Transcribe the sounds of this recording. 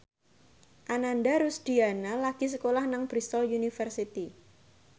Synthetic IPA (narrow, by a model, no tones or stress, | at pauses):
ʔanandaɾusd̪̥ianalaɡ̥is̬əkolahnaŋb̥ɾist̪ɔljunifərsit̪i